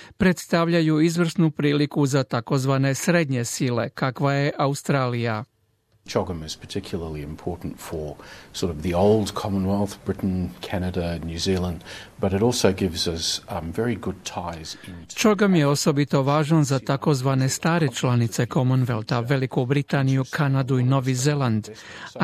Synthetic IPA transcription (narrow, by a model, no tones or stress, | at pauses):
pɾet̪st̪aʋʎajuizʋr̩snupɾiːlikuzat̪ako̞zʋane̞sɾe̞d̪ɲe̞sile̞̰kakʋaje̞ʔaust̪ɾaːlija | t͡ʃʰoɡə̃mɨz̥pʰə˞tʰɪkʰjl̩ˠə˞lˠiɨ̃mpʰɔɹʔn̩tfə˞sɔɹɾʌvðioʊlˠdkʰɑmə̃nwɛlˠθb̥ɹɪʔn̩kʰænɨɾɨnjʉzilˠə̃ndb̥ʌɾɨɾɔlˠsoʊɡɪvzʌsvɛɹiɡʊd̚tʰaɪzɪ̃nt͡ʃoɡamjeo̞so̞bit̪o̞ʋaːʒanzat̪akozʋanest̪aːɾet͡ʃlanit̪sekomunʋelˠt̪aʋelikubɾit̪anijukʰanad̪uino̞ʋizeland̪